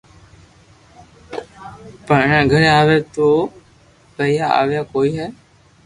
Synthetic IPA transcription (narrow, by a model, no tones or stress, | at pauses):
pəɳəɳɛ̃ːɡʱəɾẽaːʋeːt̪oː | kəijaa̰ːʋjaːkoːiːɦɛː